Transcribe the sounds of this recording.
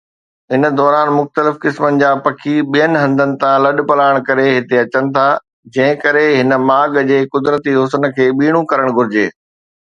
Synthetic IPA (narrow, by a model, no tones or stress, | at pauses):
ɦɪnə̆d̪ɔːɾaːnmʊxt̪əlɪfkɪsmənɪ̆d͡ʑaːpɐkʰiɓijənɪ̆ɦɐ̃nd̪ənɪ̆t̪ʰãlɐɗpɐlaːɪɽ̃kɐɾeɦɪt̪eɐt͡ɕənɪ̆t̪ʰaː | d͡ʑɐ̃ɦɪ̃kɐɾeɦɪnə̆maːɡd͡ʑeːkʊd̪ɾət̪iɦʊs̬ənkʰeːɓiːɽ̃ũkɐɾəɽ̃ɡʱʊɾɪd͡ʑeː